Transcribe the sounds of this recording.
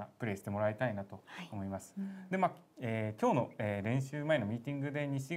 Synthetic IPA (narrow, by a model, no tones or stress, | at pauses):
apɯ̟ɾe̞ːɕi̥t̪emo̞ɾait̪ainat̪o̞ːmo̞imasɨ̥d̪e̞maːeːkʲo̞ːno̞eːɾẽ̞ɰ̃ɕɨːmaeno̞mʲiːt̪ʲĩŋɡɯ̟d̪e̞ɲ̟iɕi